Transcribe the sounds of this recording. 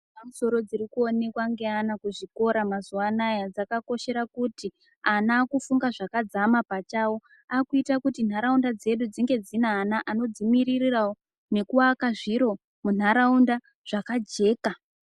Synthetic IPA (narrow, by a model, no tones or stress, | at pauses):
pamuso̞ɾo̞d͡ziɾikuone̞kwaŋɡe̞anakuʐiko̞ɾamazuwanajad͡zakako̞ʃe̞ɾakuti | anaːkufuŋɡaʐakad͡zamapat͡ʃawo̞ | akuitakutin̤aɾaundad͡ze̞ɗud͡ziŋɡe̞d͡zinaːnaʔano̞d͡zimiɾirirawo | ne̞kuwakaʐiɾo̞ | mun̤aɾaunda | ʐ̥akad͡ʒe̞ːka